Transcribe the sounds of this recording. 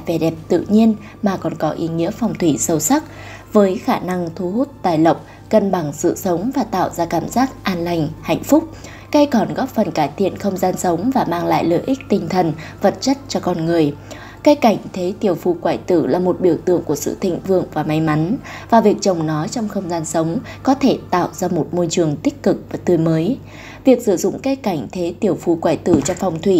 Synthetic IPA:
vɛ˨˩ɗɛ˨˩p̚t̪ɨ̰˧˨ɲi˧ən | maː˨˩kɔ˨˩nkɔ˨˦ʔi˨˦ŋḭ˧˥əfɔ˨˩wŋ͡mt̪ʰwi˧˩sə˧˩wsa˦˥k̚ | vəː˨˦jxaː˧˩na˧ŋt̪ʰu˨˦ɦu˦˥t̚t̪aː˧˩jlə˧˨wk͡p̚ | kə˧nɓa˧˩ŋsɨ̰˧˨sə˨˦wŋ͡mvaː˨˩t̪a̰ː˧˨wzaː˧kaː˧˩mzaː˦˥k̚ʔaː˧nla˧˩jŋ̟ha̰˧˨jŋ̟fʊ˦˥k͡p̚ | ka˧jkɔ˨˧˩nɣɔ˦˥p̚fə˨˩nkaː˧˩jt̪ʰḭ˧˨ənxə˧wŋ͡mzaː˧nsə˨˦wŋ͡mvaː˨˩maː˧ŋla̰ː˧˨jlə̰ː˧˨jʔi˦˥k̚t̪ï˨˩ŋ̟t̪ʰə˨˩nvə˨˩t̚t͡ɕə˦˥t̚t͡ɕɔ˧kɔ˧nŋɨ˨˩əj | kə˧˦ka˧˩jŋ̟t̪ʰe˨˦t̪i˨˧˩əwfu˧˩kwaː˧˩jt̪ɨ̰˧˩laː˨˩mo˨˩t̚ɓi˧˩əwt̪ɨ̰˧˨əŋku˧˩əsɨ̰˧˨t̪ʰḭ˧˨ŋ̟vɨ˧˨əŋvaː˨˩ma˨˦jma˨˦nvaː˨˩vi˨˩ək̚t͡ɕə˨˩wŋ͡mnɔ˨˦jt͡ɕɔ˧wŋ͡mxə˧wŋ͡mzaː˧nsə˨˦wŋ͡mkɔ˨˦t̪ʰe˧˩t̪a̰ː˧˨wzaː˧mo˨˩t̚mo˧jt͡ɕɨ˨˩əŋt̪ï˦˥k̟̚kɨ˨˩k̚vaː˨˩t̪ɨ˨˧˩məː˨˦j | vi˨˩ək̚sɨ̰˧˩zʊ̰˧˨ŋ͡mkə˧jka˧˩jŋ̟t̪ʰe˨˦t̪i˨˧˩əwfu˧˩kwaː˧˩jt̪ɨ̰˧˩t͡ɕɔ˧fɔ˨˩wŋ͡mt̪ʰwḭ˧˨

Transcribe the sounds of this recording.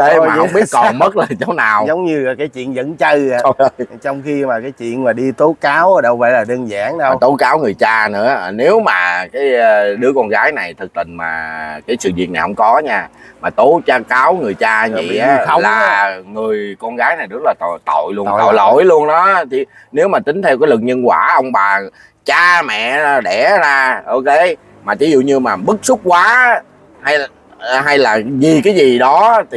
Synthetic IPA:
ə˨˧˨wŋ͡mɓi˦˥əkɔ˨˩mə˦˥t̚laː˨˩t͡ɕo˨˦naː˨˩wzə˨˦wŋ͡mɲɨ˧˨˩kaː˨˦jt͡ɕwḭ˧˨ənzə̰˧˥nt͡ɕə˧a˨˩˧t͡ɕɔ˧wŋ͡mxi˧maː˨˩kaː˨˦jt͡ɕwḭ˧˨ənmaː˨˩ɗi˧t̪o˨˦kaː˨˦wɗə˧wvə̰˧˨jlaː˨˩ɗəː˧nza̰ː˧˥ŋɗə˧˨wt̪o˨˦kaː˨˦wŋɨ˨˩jt͡ɕaː˧nɨ̰˧˥ə˨˩ne˨˦wmaː˨˩kaː˨˦jɗɨ˨˦əkɔ˧nɣaː˨˦jna˨˩jt̪ʰɨ˨˩k̚t̪ï˧˩ŋmaː˨˩kaː˨˦jsɨ̰˧˨vḭ˧˨əna˨˩jhə̰˧˦ŋ͡mkɔ˨˦ɲaː˧maː˨˩t̪o˨˦t͡ɕaː˧kaː˨˦wŋɨ˨˩əjt͡ɕaː˧vi˨˧˨ḭ˨˧˦ə˧wlaː˨˩˨ŋɨ˨˩əjkɔ˧nɣaː˨˦jna˨˩jzə˦˥t̚laː˨˩t̪t̪o̰˧˨jlu˧o̰˧˨o̰˧˨˩jlu˧ənɗɔ˨˦t̪ʰi˨˩ | ne˨˦wmaː˨˩t̪ï˨˦ŋ̟t̪ʰɛ˧wkaː˨˦jlɨ˨˩ŋ̚ɲə˧nkwaː˧˩ʔə˧wŋ͡mɓaː˨˩ | t͡ɕaː˧mɛ̰˧˨˧ɗɛ˧˩zaː˧ʔo˧wke˨˦ | maː˨˩t͡ɕi˨˦zṵ˧˨ɲɨ˧maː˨˩ɓɨ˦˥k̚sʊ˦˥k͡p̚kwaː˨˦ | ha˧j | ɦa˧jlaː˨˩zi˨˩kaː˨˦jzi˨˩ɗɔ˨˦t̪ʰi˨˩

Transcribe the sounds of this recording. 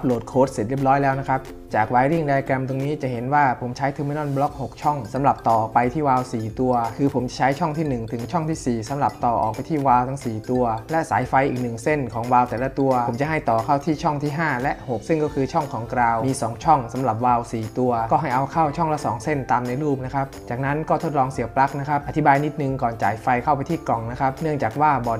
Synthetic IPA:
p̚loː˨˩t̪̚kʰoː˦˥t̪̚se˨˩ɾi˥˩p̚ɾɔː˦˥jlɛː˦˥wna˦˥kʰɾa˦˥p̚ | t͡ɕaː˨˩k̚waː˧˥jɾi˥˩ŋdaː˧ja˧kɛ˧mt̪o˧ŋniː˦˥t͡ɕa˨˩ɦe˩˦nwaː˥˩pʰo˩˦mt͡ɕʰa˦˥jt̪ʰɯ˨˦ma˥˩jnɔː˥˩nblɔ˦˥k̚ho˨˩k̚t͡ɕʰɔ˥˩ŋsa˩˦mɾa˨˩p̚t̪ɔː˨˩pa˧jt̪ʰiː˥˩waː˧wsiː˨˩t̪u˧ɐkʰɯː˧pʰo˩˦mt͡ɕa˨˩t͡ɕʰa˦˥jt͡ɕʰɔ˥˩ŋt̪ʰiː˥˩nɯ˨˩ŋt̪ʰɯ˩˦ŋt͡ɕʰɔ˥˩ŋt̪ʰiː˥˩siː˨˩sa˨˦mla˨˩p̚t̪ɔː˨˩ʔɔː˨˩k̚pa˧jt̪ʰiː˥˩waː˧wt̪ʰa˦˥ŋsiː˨˩t̪u˧ɐlɛ˦˥ʔsaː˩˦jfa˧jʔiː˨˩k̚nɯ˨˩ŋse˥˩nkʰɔː˩˦ŋwaː˧wt̪ɛː˨˩la˦˥t̪u˧ɐo˩˦mt͡ɕa˨˩ɦa˥˩jt̪ɔː˨˩kʰa˥˩wt̪ʰiː˥˩t͡ɕʰɔ˥˩ŋt̪ʰiː˥˩ɦaː˥˩lɛ˦˥ho˨˩k̚sɯ˥˩ŋkɔː˥˩kʰɯː˧t͡ɕʰɔ˥˩ŋkʰɔː˩˦ŋkɾaː˧wmiː˧sɔː˩˦ŋt͡ɕʰɔ˥˩ŋsa˨˩˦mɾa˨˩p̚waː˧wsiː˨˩t̪u˧ɐkɔː˥˩ɦa˥˩jʔa˧wkʰa˥˩wt͡ɕʰɔ˥˩ŋlɛ˦˥sɔː˩˦ŋse˥˩nt̪aː˧mna˧jɾuː˥˩p̚na˦˥kʰa˦˥p̚t͡ɕaː˨˩k̚na˦˥nkɔː˥˩t̪ʰo˦˥t̪̚lɔː˧ŋsi˨˩˦əpla˦˥k̚na˦˥kʰa˦˥p̚a˧t̪ʰi˦˥baː˧jni˦˥t̪̚nɯ˨˧ŋkɔː˨˩nt͡ɕaː˨˩jfa˧jkʰa˥˩wp̬a˧jt̪ʰiː˥˩klɔ˨˩ŋna˦˥kʰa˦˥p̚nɯ˥˩əŋt͡ɕaː˨˩k̚waː˥˩bɔː˨˩

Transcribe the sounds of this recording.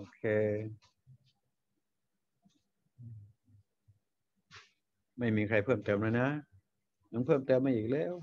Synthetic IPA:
ʔoː˧kʰeː˧ | ʔɯː˧˩ | ma˥˩jmiː˧kʰɾa˧jpʰɤː˥˩mt̪ɤː˧mla˧˥jna˦˥ | na˧˥˩npʰɤː˥˩mt̪ɤː˧mːa˧˩ʔiː˨˩k̚lɛː˧˥˩w

